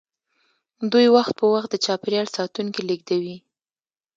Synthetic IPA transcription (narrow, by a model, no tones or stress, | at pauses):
d̪ujwaxt̪̚pəwaxt̪̚d̪ət͡ʃɑpeɾjɑlsɑt̪uŋkiliɡ̚d̪awi